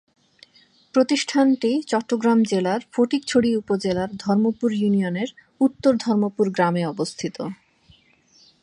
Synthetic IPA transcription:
pɾot̪iʃʈʰanʈit͡ɕɔʈːoɡɾamd͡ʑelaɾfoʈik̚t͡ɕʰoɽiupod͡ʑelaɾd̪ʱɔɾmopuɾjunioneɾ | ut̪ːoɾd̪ʱɔɾmopuɾɡɾameɔbost̪ʰit̪o

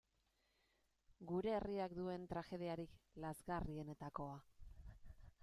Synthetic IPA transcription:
ɡuɾe̞ːriak̚d̪ue̞nt̪ɾaxe̞ð̞iaɾiklazɣarie̞ne̞t̪ako̞a

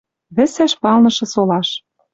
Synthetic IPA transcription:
βɘ̆sæʃpɑlnɤ̆ʃɤ̆solɑʃ

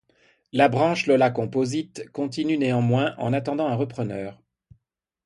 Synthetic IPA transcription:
labʁɑ̃ʃlɔlakɔ̃pozit̪kɔ̃t̪inyneɑ̃mwɛ̃ʔɑ̰̃nat̪ɑ̃d̪ɑ̃ɛ̃ʁəpχənœːʁ

